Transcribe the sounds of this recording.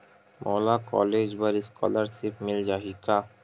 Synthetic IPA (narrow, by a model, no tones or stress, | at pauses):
mʔɔlakɔ̰led͡ʑbaɾiskɔ̰laɾʃipmild͡ʑaɦika